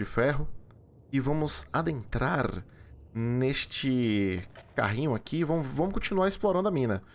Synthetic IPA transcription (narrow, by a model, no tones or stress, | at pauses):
d͡ʒɪfɛɦʊ | ɪvɐ̃mʊzad̪ẽnt̪ɾaɾ | neʃt͡ʃɪ | ka̰ɦĩɲʊakʰiːvɐ̃mʊvɐ̃mʊskõt͡ʃinuaɾɪsploɾɐ̃nd̪ʊɐmĩnɐ